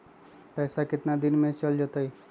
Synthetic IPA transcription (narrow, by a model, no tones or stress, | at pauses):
pɛːsakɪt̪nad̪inmẽt͡ʃəld͡ʒət̪əj